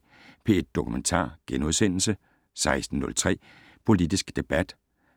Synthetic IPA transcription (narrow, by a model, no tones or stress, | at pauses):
pʰe̝d̥ːo̝kʰument͡sʰɑ̰̈ːɡ̥enuðˠsen̰l̩sə | sɑ̈ɪsd̥n̩ːɔ̽lt͡sʰʁɛ̰ː | pʰo̝lid̥isɡ̥d̥e̝b̥æd̥